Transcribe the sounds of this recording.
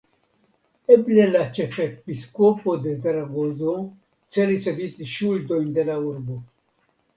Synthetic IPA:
eble̞lat͡ʃe̞fepiskopo̞d̪e̞veɾaɡozo̞ | t͡se̞ɾit͡se̞vit͡siʃuldo̞jnd̪e̞lauɾbo̞

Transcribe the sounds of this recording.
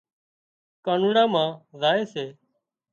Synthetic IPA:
kaːnuːɽãːmãːzaːeːseː

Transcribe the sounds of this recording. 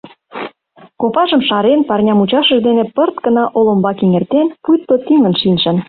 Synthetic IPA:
kopɑʒə̆mʃɑɾenpɑrnʲɑmut͡ɕɑʃə̆ʒd̪enepərt̪ɡə̆nɑʔolombɑkeŋert̪enpujt̪ːot̪iŋə̆nʃinʲʃə̆n

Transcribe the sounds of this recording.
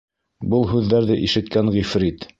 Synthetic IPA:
bɤlˠɦʉðːæɾðɘʔiʃɘ̆t̪kæŋʁifɾit̪

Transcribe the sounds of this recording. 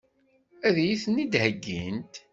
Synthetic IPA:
æðæjiθənid̪həɡːḭnt̪

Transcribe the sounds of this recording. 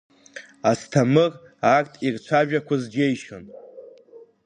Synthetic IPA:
astʰamɨr | akʼtʰʼirt͡ʃʷʰaʒᶣakʷʰazd͡ʒejʃo̰n

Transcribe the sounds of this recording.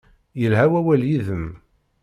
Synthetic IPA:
jəlɦæwæwæljiðəm

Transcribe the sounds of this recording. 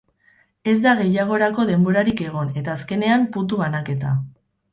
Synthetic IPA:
e̞zd̪aɣ̞e̞jaɣ̞o̞ɾako̞ðe̞mbo̞ɾaɾike̞ɣ̞o̞ne̞t̪aːske̞ne̞ampunt̪̬uβanake̞t̪a

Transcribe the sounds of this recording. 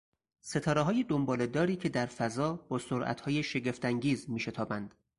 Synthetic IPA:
se̞t̪ʰɒːɾeɦɒːjed̪ombɒːled̪ɒːɾiːcʰe̞d̪æɾfæzɒːb̥ɒːsoɾʔæ̰t̪ʰhɒːjeʃe̞ɟe̞ft̪æŋɟiːzmiːʃe̞t̪ʰɒːbænd̪̥

